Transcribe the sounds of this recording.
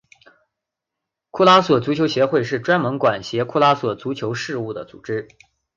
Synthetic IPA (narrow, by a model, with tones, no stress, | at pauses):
kʰu˥˩la˥swɔ˨˩t͡su˧˥t͡ɕʰjo˧˥ʊɕjɛ˧˥xwe˥˧ɪʂɻ̩˥˩ʈ͡ʂwa˥nmə˧˥ŋkwa˨˩nɕjɛ˧˥kʰu˥˧la˥swɔ˨˩t͡su˧˥t͡ɕʰjo˧˥ʊʂɻ̩˥˧u˥˩d̪ə̰˩t͡sṵ˨˩ʈ͡ʂɻ̩˥